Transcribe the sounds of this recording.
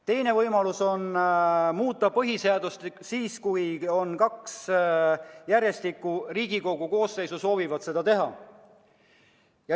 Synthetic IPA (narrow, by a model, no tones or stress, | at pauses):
t̪e̞jne̞vɤjmɑluso̞nmuːt̪ːˑɑpɤɦise̞ɑd̪ust̪siːskujo̞nkɑks | jæɾje̞st̪ikːˑuriːɡiko̞ɡ̥uko̞ːsːe̞jsuso̞ːvivɑd̪se̞d̪̥ɑt̪e̞ɦɑ̰ | jɑ